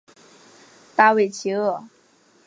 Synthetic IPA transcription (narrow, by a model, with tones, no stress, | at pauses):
t̪a˥˧we˥˩ɪt͡ɕʰi˧˥ɤ˥˩